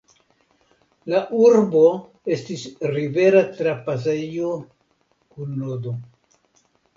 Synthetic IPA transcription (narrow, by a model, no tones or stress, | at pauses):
laʔuɾbo̞ | e̞stisɾive̞ɾatɾapas̬eijo | kunːodo